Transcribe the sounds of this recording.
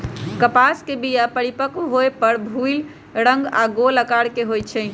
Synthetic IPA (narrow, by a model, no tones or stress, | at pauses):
kəpaskebijapəɽipəkuɦoepəɾbʱul | ɾəŋɡaɡoləkaɽkeɦojt͡ʃʰɛ